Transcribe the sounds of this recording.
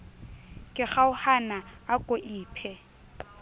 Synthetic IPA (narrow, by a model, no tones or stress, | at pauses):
kʼɪχaʊhanaakʼoʔiːpʰɛ